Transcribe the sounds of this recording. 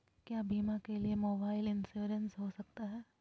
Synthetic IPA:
kjaːbʱiːmãkeliemoːbaːɪlɪnsuːɾə̃nsɦosɐk̚t̪aɦɛː

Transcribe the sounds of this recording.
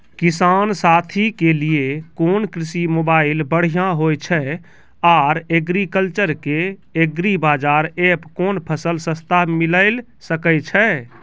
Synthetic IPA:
kisansat̪ʰikelijekonkɾisimobaɪlbəɽ̤ijãɦojt͡ʃʰɛ | aɾeɡɾikəlt͡ʃəɾkeeɡɾibad͡ʒaɾepkonpʰəsəlsəst̪ʰamiləɪl | səkɛt͡ʃʰɛ

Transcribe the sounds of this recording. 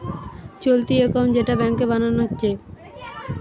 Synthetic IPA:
t͡ɕolt̪iekawɳʈd͡ʑeʈabɛŋkebananoɦotːɕʰe

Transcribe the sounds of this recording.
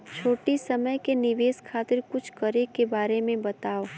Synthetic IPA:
t͡ʃʰoːʈisɐməjkenɪʋeːskʰaːt̪ɪɾkʊt͡ʃʰkɐɾekebaːɾemẽbɐt̪aːoː

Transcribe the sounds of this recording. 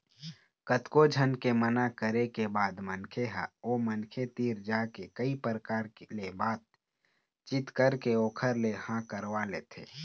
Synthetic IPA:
kət̪kod͡ʒʱənkemənakəɾekebaːd̪mənkʰeɦa̰oːmənkʰet̪iːɾd͡ʒaːkekəipɾəkaːɾkelebaːt̪̚ | t͡ʃɪt̪kəɾkeoːkʰəɾlehãkəɾʋaleːt̪ʰḛː

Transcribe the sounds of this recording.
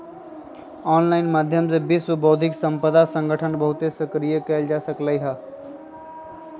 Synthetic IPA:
ɔːnlaːɪnmaːd̪ʱjəmsebɪswəboːd̪ʱɪksə̃mpəd̪asə̃ŋɡʱəʈʰənbəɦʊt̪esəkɾijəkɐɪld͡ʒaːsəklaiɦaː

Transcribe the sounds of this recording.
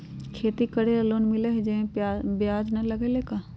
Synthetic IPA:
kʰeːt̪ikɐɽeɐloːnmɪleɦed͡ʒẽbjaːd͡ʒnɐlɐɡeleːkaː

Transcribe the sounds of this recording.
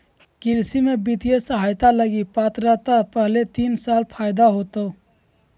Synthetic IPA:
kɪɾsimẽbɪt̪ijesəɦaːjt̪aləɡipaːt̪ɾat̪apəɦlet̪iːnsaːlpʰaːjd̪aɦoːt̪oː

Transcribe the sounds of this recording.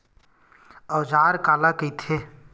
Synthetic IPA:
ɔwd͡ʒaːɾkaːlakəit̪ʰeː

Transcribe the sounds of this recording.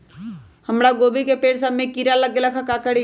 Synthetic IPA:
həmɽaɡobikepeːɽsamekiɾaləɡ̚ːelakʰakakəɽi

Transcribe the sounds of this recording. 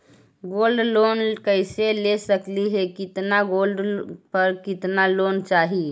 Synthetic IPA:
ɡolɖlonkəɪselesəkliɦɛkɪt̪naɡolɖpəɾkɪt̪nalont͡ʃaːɦi

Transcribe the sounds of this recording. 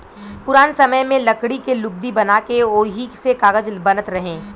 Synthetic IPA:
pʊɾaːnsɐməjmẽlɐkɽikelʊb̚d̪ibɐnaːkeoːɦiksekaːɡəd͡ʒbɐnət̪ɾɐɦẽː

